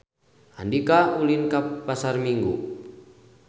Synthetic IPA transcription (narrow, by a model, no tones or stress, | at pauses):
andikaulinkapasarmiŋɡu